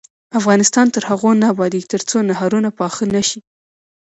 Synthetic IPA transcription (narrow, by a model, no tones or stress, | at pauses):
afɣɑnɪst̪ɑnt̪əɾhaɣonɑbɑd̪it̪əɾt͡sonaɦaɾunapɑxənaʃi